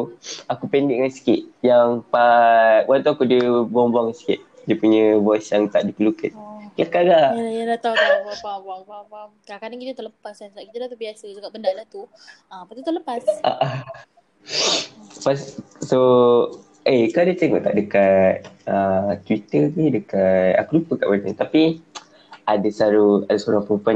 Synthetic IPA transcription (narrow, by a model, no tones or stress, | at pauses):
akupɛndɪʔŋansi̥kit̪̚jaŋpawalant̪̬uakudəbɔŋbɔŋansi̥kḭt̪̚ | diəpuɲəbɔsjaŋt̪aʔdipəlukanklakaɡajadat̪auaapabawapakaakanaŋkit̪ət̪uʔləpasanslaʔkit̪ədat̪ubiasad͡ʒuɡaʔbəndalat̪u | əpast̪it̪uləpasʔa̰ʔa | passo | ekadit̪eŋɔʔt̪a̰ʔdəkat̪̚ət̪wit̪əɡidəkat̪a̰kulupəkaʔbat̪eŋʔt̪api | adasaɾuadasoɾaŋpumpan